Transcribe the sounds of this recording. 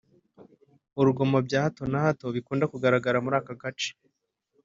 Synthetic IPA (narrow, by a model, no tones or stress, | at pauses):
uɾuɡo̞mabɟaːhato̞nahato̞βikuːndakuɡaɾaɡaɾamuɾaːkaɡat͡ʃe̥